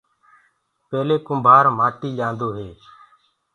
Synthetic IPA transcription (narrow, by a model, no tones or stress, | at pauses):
pɛːleːkʊmbʱaːɾmaːt̪iːʄãːnd̪oːɦeː